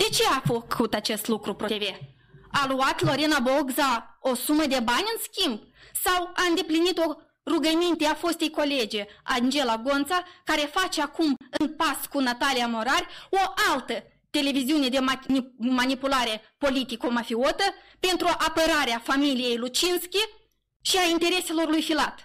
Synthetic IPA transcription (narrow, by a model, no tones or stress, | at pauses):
d̪̥e̞t͡ʃe̞afəkʰut̪at͡ʃe̞st̪lukɾupɾoeve | aluat̪lo̞ɾenabo̞ɡzao̞suməd̪e̞banʲɨnskʲimb̚sawaɨnd̪e̞plinit̪o̞ | ruɡəmint̪eafo̞st̪ejko̞le̞d͡ʒeand͡ʒe̞laɡo̞nt̪sakaɾe̞fat͡ʃeakumɨnpaskunat̪alijamo̞ɾarʲo̞ʔalt̪ə | t̪e̞le̞viziune̞d̪emmanipulaɾe̞po̞lit̪iko̞mafiot̪ə | pe̞nt̪ɾuʔapəɾaɾeafamilije̞jlut͡ʃinskʲi | ʃiaint̪e̞ɾe̞se̞lo̞rlujfilat̪